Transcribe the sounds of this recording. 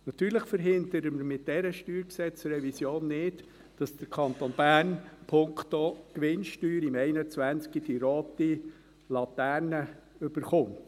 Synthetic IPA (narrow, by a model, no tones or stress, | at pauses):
nɑt̪yːɾləχfəɾɦɪnd̪əɾəməɾmɪt̚d̥ɛɾəʃtyːɾksɛt͡sɾɛvisjoːnːɪt | d̥ɑsd̥əɾkʰɑnt̪onbæːrnpʰʊŋkt̪okʋɪnʃtyːɾimɛɪnət͡sʋænt͡skid̥iɾoːt̪i | lɑt̪æːɾnəʏb̥əɾχʊmt